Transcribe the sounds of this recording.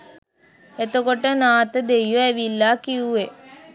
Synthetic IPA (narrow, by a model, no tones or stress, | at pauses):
et̪əkoʈənaːt̪əd̪ejjoæʋilːaːkiuʋe